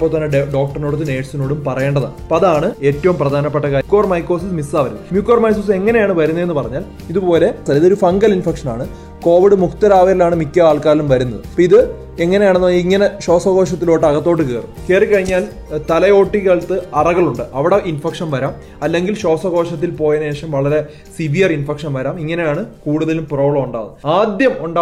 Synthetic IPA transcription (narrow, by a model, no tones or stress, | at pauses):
pːoːt̪ɐnːɐɖɖo̞ːk̚ʈɐrnoːɽt̪ːɨne̞ːʈsino̞ːɽumpɐrɐjeːɳɖɐða̰pɐðaːɳɨeːtːɐʋumprɐd̪ʱaːnɐpːeʈːɐkaːkːoːrmɐjkːo̞ːsismisaːʋɐɾunːɐmjuːkːrormaːjsuse̞ŋːɐne̞jaːɳɨʋɐɾunːɐe̞nːɨpɐrɐɲːaːl | iðupo̞ːle̞sɐiðo̞ɾufɐŋɡɐlinfekʂɐna̰ːɳɨ | ko̞ːʋiɽɨmukt̪ɐɾaːʋɐɾɐlaːɳɨmikʲːɐaːɭkaːlumʋɐɾunːɐðɨpiðɨ | eŋːɐne̞jaːɳenːɨʋɐjiŋːɐne̞ɕo̞ːsɐɣo̞ːʂɐt̪ːiloːʈːɨɐɣɐt̪ːoːʈ̬ːɨkeːrɨkeːrikʲːɐɻiɲːaːl | t̪ɐlɐjo̞ːʈːiɣɐɭt̪ɨɐrɐɣɐɭuɳɖɨʔɐʋiɽeʔinfekʂɐnʋɐɾaːm | ɐlːe̞ŋɡilɕo̞ːsɐɣo̞ːʂɐt̪̬ːilpo̞ːjɐneːʂɐmʋɐɭɐɾe̞ | siʋijɐrinfekʂɐnʋɐɾaːmiŋːɐne̞jaːɳɨkuːɽuðɐlumproːɭɐuɳɖa̰ːnaːd̪jɐmuɳɖaː